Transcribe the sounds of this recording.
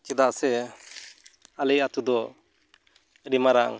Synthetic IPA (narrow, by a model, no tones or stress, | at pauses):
kɛd̪aʔsɛ | alɛjat̪ud̪ɔ | ɾimaɾaŋ